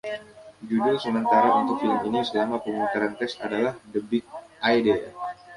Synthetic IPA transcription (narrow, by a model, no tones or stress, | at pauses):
d͡ʒudʊlsəmənt̪aɾaʔunt̪ʊk̚filəminisəlamapəmunt̪əɾant̪ɛst̪adalahdəbɪk̚ʔajde